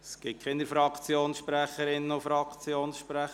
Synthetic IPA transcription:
sɡ̥ɪt̚kʰɪnəɾfɾɑkt͡sjoːnsʃpɾæχəɾɪnːənʊfɾɑkt͡sjoːnsʃpɾæχ

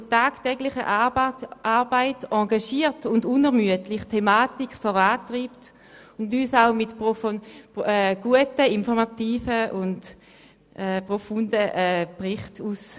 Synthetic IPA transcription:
taːktɛɡlɪχə̰ʔʔaʁbaɪtɑɡaʃiːʁtʊndʊnɛʁmyətlɪχtʰemaːtikfɔʁaːtʁiːpt | ʊndyːsaʊmɪtpɔfɔɛɡ̥uətəinfɔʁmatiːfəʔʊnd | ɛːpʁofundəʔɛpʁɪχtuːs

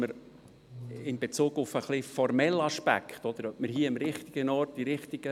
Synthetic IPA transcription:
məɾ | ɪmbet͡suːɡʊfəχlifɔrmɛlɑʃpæ̰kχtɔd̪əɾœp̚məɾhiəɪmɾɪχt̪ɪɡ̥ənɔɾt̚d̥iɾɪχtiɡ̥ə

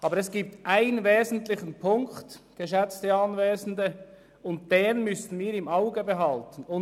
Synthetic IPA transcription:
ʔɑːbəɾɛsɡ̥iːp̚tʔaɪnveːzn̩tlɪçənpʰʊŋktɡ̥əʃɛt͡stəɑnveːzn̩də | ʊnt̚d̥eːnmʏsn̩miːɾɪmaʊɡəbəɦɑltən̩ʊ

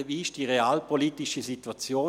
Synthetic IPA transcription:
viɪʃd̥iʁeaːlpʰoliːtiʃəzituat͡sjoː

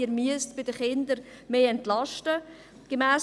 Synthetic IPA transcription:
iɾmyəstb̥ɪdəχɪnd̪əɾ | meːɛntlɑʃtə | ɡ̥əmæːs

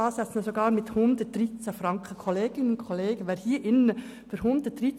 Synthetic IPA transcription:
ɑːsɛt͡snəsoɡɑːɾmɪthʊnd̪ət̚d̥ɾit͡səfɾɑŋkʰəkʰɔleːɡ̥ɪnəʊnkʰɔleːɡəʋɛːɾhiːʔɪnə | føɾhʊnd̥̪ət̚d̥riː

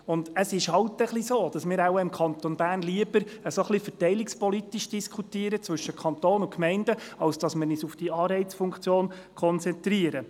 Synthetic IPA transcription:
ʊnd̪əsɪʃhɑwtəχlisoːd̥ɑsmɪːɾæwɪmkʰɑnt̪onb̥æːɾnliəbəɾəsoχlifətɛɪlɪkspɔlit̪iʃd̥iskʰut̪iːəɾət͡svɵʃːəkʰχɑnt̪oːnʊkʰmɛɪndəɑlsd̥ɑsmɪnisufd̥iɑːɾɛɪt͡sfuŋkʰt͡sjoːn | kʰɔnt͡sɛnt̪ɾiəɾə

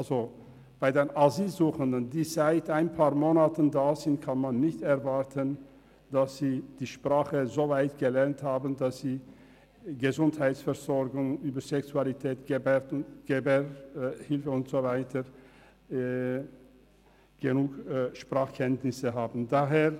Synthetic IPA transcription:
ʔalzo | b̥aɪdeːnaziːlzuːxəndəndiːzaɪtaɪnpʰaːɐmoːnatəndaːzɪnt̚kʰanmanːɪçtɛʁvaʁtʰən | d̥asz̥iːd̥iːʃpʁ̥aːχəzoːvaɪtɡ̥əlɛʁnthaːbn̩dasz̥iː | ɡəzʊnthaɪtsfɛʁzɔɾɡʊŋyːbɐzɛksualitʰɛːtɡɛtɡ̥ebɛhɪlfəʊntz̥ovaɪtʰə | ɡ̥ənuːkʃpʁ̥aːχkʰɛntnɪsəɦaːbn̩daːɦeːʁ

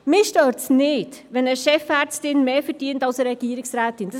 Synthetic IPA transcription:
mɪʃtøːɾtsnɪːd̥ʋɛnəʃɛfɛːɾt͡stɪnmeːfɛɾd̥iəntɑlsəɾɛɡ̥iəɾɪksɾæːtɪnd̥ɑ

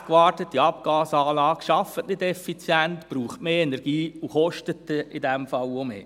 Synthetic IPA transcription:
kʋɑːrtətːiɑpɡ̥ɑːsɑːlɑːɡ̥ʃɑfətnɪdɛfit͡sjæntpɾuːχtmeːɛnɛɾɡ̥iːuχɔʃtətɪdɛmfɑwomḛː

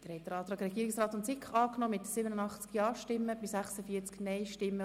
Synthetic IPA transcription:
d̥əɾhɛt̪̚dəɾɑːt̪ɾɑːkɾɛɡ̥iːɾɪksɾɑːt̪ʊntsɪkχɑːknɔmɪt̪sɪbənənɑχt͡skjɑːʃtɪmːəb̥ɪsæχsəfiːət͡sknɛɪʃtɪmːə

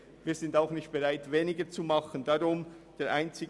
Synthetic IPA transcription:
viːɐz̥ɪndaʊxnɪçt̚b̥eʁaɪtveːnɪɡət͡sumɑxənd̥aʁʊm | d̥eːɐʔaɪnt͡sɪɡ

